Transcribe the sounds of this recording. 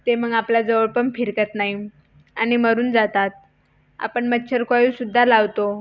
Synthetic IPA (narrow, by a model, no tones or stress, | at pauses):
t̪eməɡaplad͡zəʋəɭpəmfiɾkət̪naɦi | añiməɾuːnd͡zat̪at̪̚ | a̰pəɳmətːɕʰəɾkajisud̪ʱːalaʋt̪o